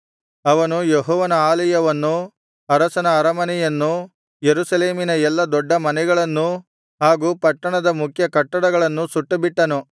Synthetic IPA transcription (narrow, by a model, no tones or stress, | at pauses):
ɐʋɐnujeɦɔːʋɐnɐaːlɐjɐʋɐnːu | ɐɾɐsɐnɐːɾɐmɐnɛjɐnːu | jeɾusɐleːminɐɛlːɐd̪ɔɖːɐmɐnɛɡɐɭɐnːu | ɦaːɡuːpɐʈːɐɳɐd̪ɐmukʰjɐkɐʈːɐɽɐɡɐɭɐnːusuʈːɐbiʈːɐnu